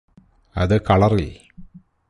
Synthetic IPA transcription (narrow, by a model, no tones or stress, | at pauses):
ɐ̰ðɨkɐɭɐril